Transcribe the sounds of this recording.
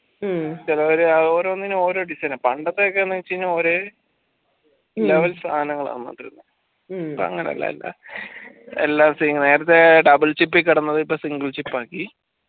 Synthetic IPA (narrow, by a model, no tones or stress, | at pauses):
t͡ɕilɐoɾeɐðo̞ːɾoːɐnːinɨo̞ːɾoːɖisɐnɐpɐɳɖɐt̪ːeokːenːɐit͡ɕːɐnːɨo̞ːɾeː | elːaːʋɐlst̪ʰaːnɐŋːɐɭɐ̰ðɨma̰ːt̪rṵnːɨ | ipːo̰ɐ̰ŋːɐnḛɐ̰lːɐ̰ḛlːa̰ | ḛlːaːsine̞ːɾɐt̪ːe̞ɖɐbɨlt͡ɕipːikːiɽɐnːɐðɨipːoːsiŋɡɨɭt͡ɕipːaːkːi